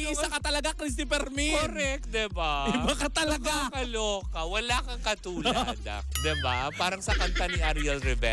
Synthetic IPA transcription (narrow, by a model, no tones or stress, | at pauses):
ɐkɐt̪ɐlɐɡakɾis̬t̪ipɛɾmikoɾɛk̚t̪̚d̪ɛbabɐkɐt̪ɐlɐɡakɐloːkɐwɐlaːkɐŋkɐt̪uːla̰d̪ɐ̰d̪ɛbapaːɾɐŋsɐkɐnt̪aniʔɐɾiɐlɾɛbɛ